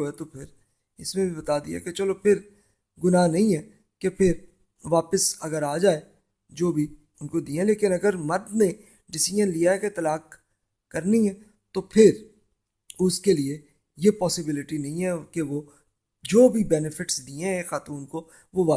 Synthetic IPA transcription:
ɛt̪opʰɪɾ | ɪsmẽbʱibɐt̪aːd̪ḭaɛ̰ket͡ʃəlopʰɪɾ | ɡʊnaːnɐĩɦɛː | kepʰɪɾ | ʋaːpəsɐɡəɾaːd͡ʒaːe | d͡ʒoːbʱi | ʊnkod̪iːẽleːkɪnɐɡəɾmɐɾd̪nẽ | ɖɪsɪd͡ʒənlijaɦɛket̪ɐlaːkː | ɐɾniɦɛ | t̪opʰɪɾ | ʊskelie | jepɔːsɪbɪlɪʈinɐɦĩɦɛkeʋo | d͡ʒoːbʱibɛːnɪfʰɪʈsd̪iːẽɛxaːt̪uːnko | ʋoʋaː

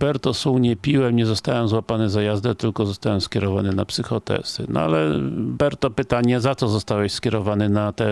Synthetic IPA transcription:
b̥ɛɾt̪ɔsuwɲɛpʲiwɛmɲɛzɔst̪awɛmzwapanɛzajazd̪ɛt̪ɘlkɔzɔst̪awɛmskʲjɛɾɔvanɘnapsɘxɔt̪ɛ̰sɘ̰nɔ̰a̰lɛbɛɾt̪ɔpɘt̪aɲɛzat̪sɔzɔst̪awɛɕskʲjɛɾɔvanɘnat̪ɛ

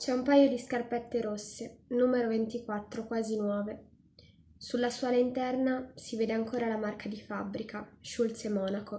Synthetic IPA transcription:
t͡ʃɛumpajod̪iskarpɛt̪ːeɾosːenuːmeɾovent̪ikwat̪ːɾokwaːzinwɔːve | sulːasuaːlaint̪ɛrnasiveːd̪eaŋkoːɾalamarkad̪ifabːɾikaʃult̪semɔːnako

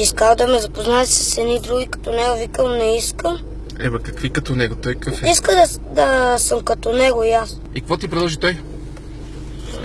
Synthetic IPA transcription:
iskalˠd̪ɐmɛzɐpoznaɛsə̥sɛnid̪ɾuɡʲikɐ̥t̪ɔnɛɡovikəmnɛiskəm | ɛ̰bɛkɐkvikɐt̪ɔnɛɡot̪ɔjkəfɛiskəd̪ɐ | d̪ɐsəmkɐt̪onɛɡoias | ik̚kvɔt̪ip̬ɾɛd̪lˠɔʒit̪ɔj

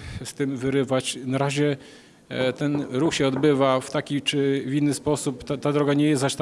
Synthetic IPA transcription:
st̪ɘmvɘɾɘvat͡ɕnaɾaʑɛ | t̪ɛnɾuxɕɛɔd̪bɘvaft̪akʲit͡ʂɘvʲinːɘspɔsupt̪at̪ad̪ɾɔɡaɲɛjɛsaɕt̪

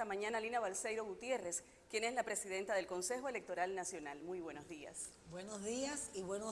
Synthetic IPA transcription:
t̪amãɲãnalinaβalsejɾo̞ɣut̪je̞re̞s | kje̞ne̞slapɾe̞siðe̞nt̪aðe̞lko̞nse̞xoele̞k̚t̪o̞ɾalnasjo̞nalmujβwe̞nozðia̰s | bwenozðiasiβweno

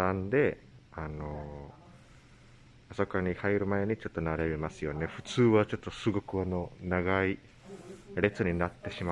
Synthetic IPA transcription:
ãnd̪e̞ | ano̞ | asokaɲ̟ihaiɾɯ̟mae̞ɲ̟it͡ɕo̞t̪ːo̞naɾe̞bemasɨjo̞ne̞ɸɯ̟̥t͡sɨːβat͡ɕo̞t̪ːo̞sɨɡo̞kɯ̟ano̞naɡai | ɾe̞t͡sɨɲ̟inat̪ːe̞ɕima

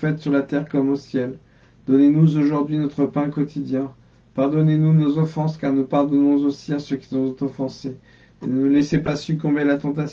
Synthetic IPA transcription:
fɛt̪syʁlat̪ɛʁkɔmosjɛl | d̪̥ɔnenuzoʒuʁd̪ɥinɔt̪χəpɛ̃kɔt̪ʰid̪jɛ̃ | paʁd̪ɔnenunozɔfɑ̃skaʁnupaʁd̪ɔnɔ̃zosiasøkʲi̥sɔɔ̃t̪ɔfɑ̃se | enəulɛsepasykɔ̃belat̪ɑ̃t̪as

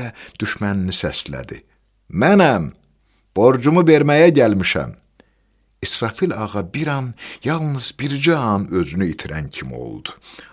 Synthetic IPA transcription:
æd̪̥yʃmæninisæslæ̰d̪ḭ | mænæm | b̥o̞ɾd͡ʒumuveɾmæjæɟælmiʃæ̰m | isɾɑfilɑɣɑbiɾɑnjɑlˠnɯz̥biɾd͡ʒæɑnø̞zynyit̪ʰiɾæncʰimḭo̰lˠd̪̥u̥

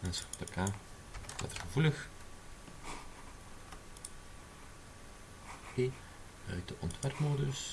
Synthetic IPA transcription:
ɛnstərkʰaː | ʋɑ̰tərɣəvuləx | pe | œ̰ɥt̚dəʔɔntʋɛrpmoːdɵs

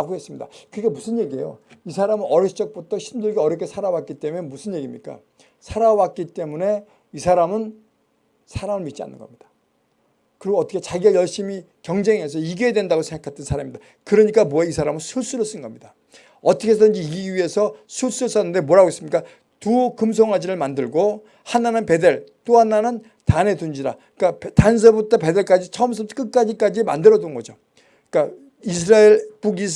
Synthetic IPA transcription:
ɡoɦe̞s͈ɯmɲida̰kɯɾikamusʰɯnje̞ɡie̞jo̰isʰaɾamɯnʌɾjʌt͡ɕʌk̚p͈otʰʌɕʰindɯɭɡeʌɾjʌkʰːe̞sʰaɾawat̚k͈it͈e̞mune̞musʰɯnje̞ɡimɲik͈a̰ | sʰaɾawat̚k͈it͈e̞mune̞ | isʰaɾamɯn | sʰaɾamɯɭmit̚t͡ɕ͈ia̰nːɯ̰nɡʌmɲid̥ḁ | kɯɾiɡoʌt͈ʰʌkʰe̞t͡ɕaɡiajʌɭɕ͈imi | kjʌŋd͡ʑe̞ŋɦe̞s̬ʰʌiɡeedwe̞ndaɡosʰeŋɡakʰat͈ɯnsʰaɾamimɲid̥a | kɯɾʌɲik͈amoaisʰaɾamɯnsʰus͈uɾʌs͈ɯnɡʌmɲid̥a | ʌt͈ʰʌkʰe̞s̬ʰʌdɯnd͡ʑiiiɥie̞sʰʌsʰuɭs͈uɾɯs͈anːɯnde̞moɾaɡoes͈ɯmɲik͈a | tukɯmsʰʌŋɦad͡ʑiɾɯɭmandɯɭɡo | hananɯnpe̞de̞ɭt͈oɦananɯn | tane̞tund͡ʑiɾa | k͈aptans̬ʰʌbut͈ʰape̞de̞ɭk͈ad͡ʑit͡ɕʰʌms̬ʰʌtʰk͈ɯk͈ad͡ʑik͈ad͡ʑima̰ndɯɾʌdɯnɡʌd͡ʑo | k͈a | isʰɾaeɭpuɡi

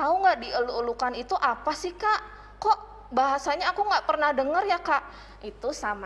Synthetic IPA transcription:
auŋɡaʔdiəluəlukanit̪uʔapasɪhkaʔ | kɔʔ | baɦasaɲaːkuŋɡaʔpərnahdəŋərjakaʔ | it̪usama

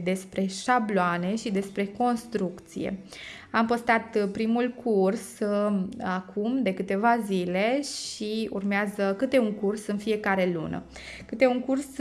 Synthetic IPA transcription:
d̪e̞spɾe̞ʃabloane̞ʃid̪e̞spɾe̞ko̞nst̪ɾukt̪sḭjḛ | ampəst̪at̪pɾimulkʰurs | akʰumd̪e̞kɨt̪e̞vazile̞ʃiṵrmeazəkɨt̪e̞uŋkursɨnfije̞kaɾe̞lṵnə̰ | kɨt̪e̞uŋkurs

